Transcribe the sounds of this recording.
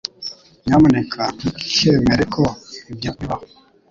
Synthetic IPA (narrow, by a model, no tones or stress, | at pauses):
ɲamənɛkʰaiki̥ʃɛmeɾekʰɔbjapiβa